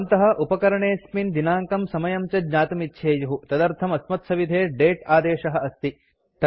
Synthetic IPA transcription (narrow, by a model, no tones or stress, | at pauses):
nt̪ɐɦɐ̆ʔupɐkɐɾɐɳeːsmind̪inaːŋkɐmsɐmɐjɐmt͡ʃɐdɲaːt̪ɐmitːʃʰeːjuɦut̪ɐd̪ɐɾt̪ʰɐmɐsmɐt̪sɐʋid̪ʱeːɖeːʈaːd̪eːʃɐɦɐɐst̪i | t̪